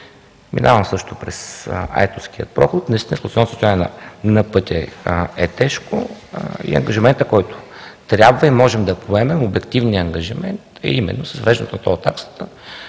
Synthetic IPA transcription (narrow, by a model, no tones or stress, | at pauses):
mḭnavəmsɤʃt̪ʊpɾɛsa̰jt̪onsk̟iət̪̚pɾɔxʊt̪nɐist̪ʲinəslˠt̪sɔnsəst̪ʊjanʲɛnɐ̰nɐpɤt̪ʲɛɛt̪ɛʃkoḭə̰ŋɡəʒimɛnt̪əkɔjt̪ʊ̥t̪ɾʲjabvəimɔʒɛmd̪ɐpoɛmɛmobɛkt̪ivnijəːŋɡɐʒimɛnt̪ɐ̰imɛ̰nːosəzvvɛʒd̪ɛnɛt̪ʊnɐt̪ɔt̪ːaksə̥t̪ə